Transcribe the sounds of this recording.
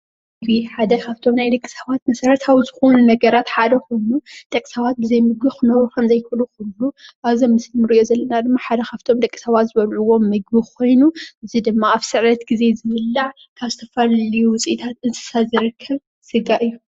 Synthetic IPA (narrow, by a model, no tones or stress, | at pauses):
mɨɡbiħad̪ɐkʰaβt̪ʰo̞mnajd̪ɐkʼːi̥sɐβat̪̚mɐsɐɾɐt̪ʰawizɨxonunɐɡɐɾat̪ħad̪ɐko̞jnud̪ʼɐkʼisɐβat̪̚bɨzɐjmɨɡ̚bixɨnɐɾukʰɐmzɐjkʰuluxulːuʔaβzimːɨslimɨɾɨʔijo̞zɐlːɐnad̪ɨmːaħad̪ɐkʰaβt̪ʰo̞md̪ɐkʼːi̥sɐβat̪zɨβɐlʕuwo̞mːɨɡ̚biko̞jnuʔɨzid̪ɨmːaaβsɨʕɾɐt̪ɡize̞zɨβɨlːaʕ | kʰaβzɨt̪ʰɐfɐllɐjuwʊt͡sʼiʔit̪ʰat̪ɨnt̪ʰɨ̥sazɨɾɨkʰːɐβ | sɨɡaʔɨjːu